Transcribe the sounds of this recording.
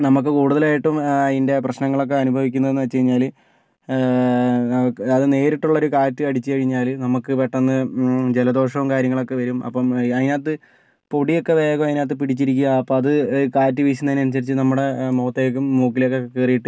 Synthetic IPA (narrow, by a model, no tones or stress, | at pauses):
nɐmuk̬ːɨkuːɽuðɐlaːjiʈːumɐinde̞prɐɕnɐŋːɐɭo̞k̬ːe̞ɐnubʱɐʋikʲːunːɐðenːɨʋet͡ɕːɐjiɲːaːl | ɐðɨne̞ːɾiʈːuɭːɐoɾukaːtːɨɐɽit͡ɕːɨkɐɻiɲːaːlnɐmukːɨpeʈːɐnːɨd͡ʑelɐd̪o̞ːʂɐʋɐmkaːɾjɐŋːɐɭo̞kːe̞ʋɐɾumɐ̰pːɐmɐðinaːt̪ːɨ | po̞ɽijo̞kːe̞ʋe̞ːɣɐmɐðinaːt̪ːɨpiɽit͡ɕːiɾik̬ʲːuɣɐɐpːɐɐðɨkaːtːɨʋiɕunt̪ːaneɐnus̬ɐɾit͡ɕːɨnɐmːuɽe̞moːt̪ːɐkːumːuːkilɐjokːekeːrijiʈːɨ